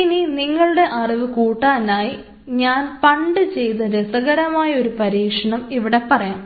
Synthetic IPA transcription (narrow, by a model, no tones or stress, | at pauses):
ininiŋːɐɭuɽe̞ʔɐriʋɨkuːʈːaːnaːji | ɲaːnpɐɳɖɨt͡ɕe̞jt̪ɐɾesɐɣɐɾɐmaːjɐo̞ɾupɐɾiːkʂɐɳɐmiʋiɽe̞pɐrɐjaːm